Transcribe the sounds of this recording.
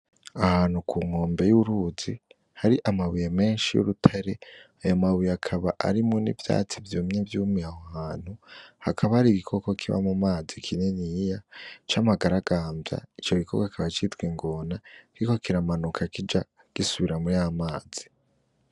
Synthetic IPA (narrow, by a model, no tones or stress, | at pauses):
ahaːn̥hukʰuːŋo̞ːmbe̞juɾuzi | haɾiʔamaβujeme̞ːnʃijṵɾutʰaɾe̞ajomaβujeakʰaβa̰ʔa̰ɾimŋo̞nḭvja̰ːt͡sivjomɲevjuːmiahohaːn̥huhakʰaβahɾiɡikʰo̞ko̞kʰiβa̰mumaːzikʰinenijat͡ʃamaɡaɾaɡ̥aːmbja̰it͡ʃo̞ɡikʰo̰kakʰaβat͡ʃitɡwiŋɡo̞naɾiko̞kiɾamanukʰakid͡ʒa | ɡ̥isuβiɾamujaamaːd͡z̥i̥